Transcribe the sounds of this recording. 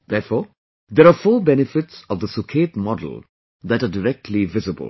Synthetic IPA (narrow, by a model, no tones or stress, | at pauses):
d̪ɛːɾfɔː | d̪ɛɾaːfɔːbɛnɪfɪʈsɔvd̪əsukʰetmɔdə̰l̩ | d̪æʈaːɖɪɾɛk̚ʈʰlivɪzɪbə̰l